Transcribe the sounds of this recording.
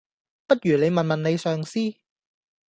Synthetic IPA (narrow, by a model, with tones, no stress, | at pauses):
pɐ˥t̚jyː˨˩ne˨˧jmɐ˨nmɐ˨nne˨˧jsœː˨ŋsiː˥